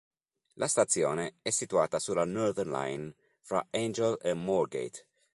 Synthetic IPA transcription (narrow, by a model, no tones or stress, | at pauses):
lʔast̪at̪sjoːneɛsːit̪uaːt̪asulanɔɾd̪ɛrnla̰jn | fɾa̰end͡ʒelemɔrɡḛjt̪